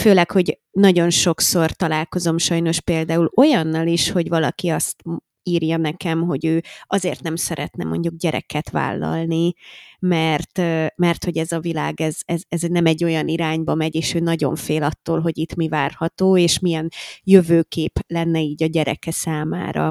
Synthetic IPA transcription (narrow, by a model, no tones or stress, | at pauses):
føːlɛkho̞ɟ | nɒɟo̞nʃo̞kso̞rt̪ɒlaːlko̞zo̞mʃɒjn̪o̞ʃpeːld̪aːulo̞jɒnːɒliʃho̞ɟvɒlɒ̰kiɒst̪ | iːrjɒnɛkɛmɦo̞ɟøːɒzeːrt̪nɛmsɛɾɛ̰t̪nɛ̰mo̞̰ɲɟuɡ̚ɟɛɾʔɛ̰kɛt̪ʋa̰ːlːɒ̰lnimɛrt̪ːmɛrt̪ho̞ɟɛzɒvila̰ːɡɛzɛzɛznɛmɛɟːo̞jɒniɾaːɲbɒmɛɟeːʃøːnɒɟo̞̰ɱfeːlɒt̪ːoːlɦo̞ɟit̪mivaːrhɒt̪oːeːʃmijɛnjøvøːkeːplɛnːɛiːɟɒɟɛɾɛ̰kɛsaːma̰ːɾɒ̰